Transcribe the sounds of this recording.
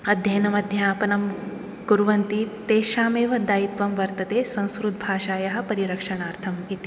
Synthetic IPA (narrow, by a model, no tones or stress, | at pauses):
ɐd̪ʱjɐjnɐmɐd̪ʱjɐaːpɐnɐm | ɡuɾʋɐnt̪it̪eːʃaːmeːʋɐd̪aːjit̪ʋɐmʋɐɾt̪ɐt̪eːsɐ̃w̃skɾut̪̚bʱaːʃaːjɐɦɐ̆pɐɾiɾɐkʂɐɳaːɾt̪ʰɐmit̪i̥